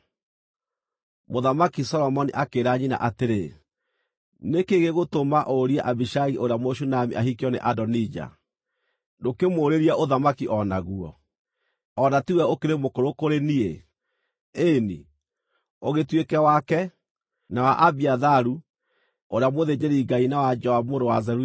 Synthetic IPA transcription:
moðamakisɔlɔmɔniʔakeɾaɲina̰ʔateɾe | nekeɣeɣotomaʔoɾiaʔabiʃaɣiʔoɾeamoʃ̬unamḭʔahikiɔnḛʔadɔnid͡ʒa̰ | dokemoːɾeɾiaoðamakiʔɔnaɣuɔ̰ | ɔnatiwɛokeɾemokoɾokoɾenie | eni | oɣetwekɛwakɛ | nawaʔabiaðaɾu | oɾeamoðed͡ʒeɾiɡainawad͡ʒɔamoɾowazɛɾu

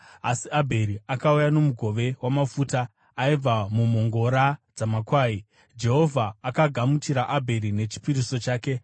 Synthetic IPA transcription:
asiabʱe̞ɾiʔakaujano̞muɡʱo̞ʋe̞wamafuːtaː | ib͡vamumo̞ŋɡo̞ɾad͡zamakwaːi | d͡ʒe̞ɦo̞vʱaːkaɡʱamut͡ʃiɾaʔabʱe̞ɾine̞t͡ʃi̥piɾisot͡ʃaːke̞

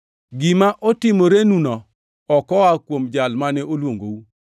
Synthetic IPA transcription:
ɡɪmaʔɔtɪmoɾenunɔː | kɔwakwomd͡ʒalmanɛʔolwoŋɡowu

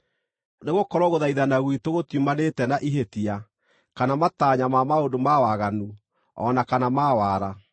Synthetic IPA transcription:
neɣokɔɾɔɣoðaiðanaɣwitoɣotjumanetɛnaʔiɦetia | kanamataɲamamaondomawaɣanu | ɔnakanamawaːɾa

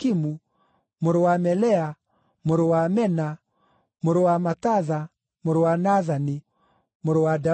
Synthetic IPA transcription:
kimu | moɾowamɛlɛa | moɾowamɛna | moɾowamataða | moɾowanaðani | moɾowada

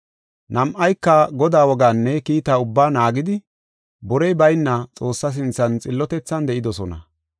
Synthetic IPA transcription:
nɐmʔɐjkːɐɡɔd̪aːwɔɡaːnːɛkiːt̪aːʊbːaːnaːɡɪd̪ɪ | bɔɾɛjbɐjnːɐt͡sʼo̞ːsːɐs̬ɪnt͡sːɐnt͡sʼɪlːɔt̪ɛt͡sːɐnd̪ɛʔɪd̪ɔsɔnɐ̰

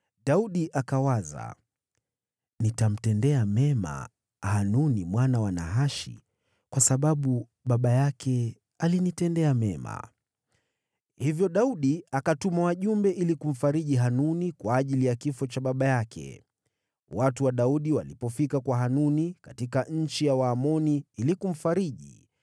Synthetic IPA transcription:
ɗauɗiʔakawaza̰ | nitam̩tɛndɛamɛma̰ | hanunimwanawana̰ɦaʃḭ | kwasaɓaɓu | ɓaɓajakʰɛ | alinitɛndɛamɛma̰ | hivjɔɗauɗiakatumawaʄumbɛʔilikum̩faɾiʄiɦanunikwaːʄilijakifɔt͡ʃaɓaɓajakʰɛ̰ | watuwaɗauɗiwalipɔfikakwaɦanunikatikaɲ̩t͡ʃijawaːmɔniilikum̩faɾiʄḭ

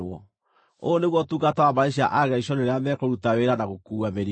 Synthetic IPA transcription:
ɔ̰ | oːneɣwɔtuɡatawamaeɕiaʔaɣɛiɕɔneɾeamɛkoɾutaweɾanaɣokuːameɾi

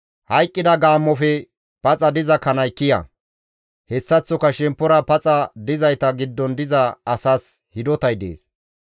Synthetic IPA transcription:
hɐjkʼːɪd̪ɐɡaːmːɔfɛ | pɐt͡sʼɐd̪ɪzɐkɐnɐjkːɪjɐ̰ | hɛsːɐt͡sːɔkɐʃɛmpːɔɾɐpɐt͡sʼɐd̪ɪzɐjt̪ɐɡɪd̪ːɔnd̪ɪzɐːsaːs | hɪd̪ɔt̪ɐjd̪ḛːs

